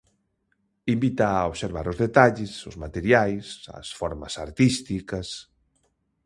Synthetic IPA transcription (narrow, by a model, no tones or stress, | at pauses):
imbit̪aoβseɾβ̞aɾʊzðet̪aʎɪsʊzmat̪eɾjajsɐ̰sfɔɾmɐsaɾt̪ist̪ikɐs